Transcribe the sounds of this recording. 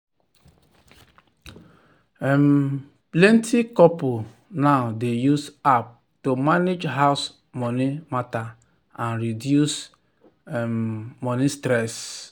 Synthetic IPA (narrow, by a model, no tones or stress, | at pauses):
m | plɛ̃ntʰikɔpu | naʊdejusap̚ | tomaned͡ʒɦaʊs | mɔnimata | ãnɾidjus | mmɔnistɾɛs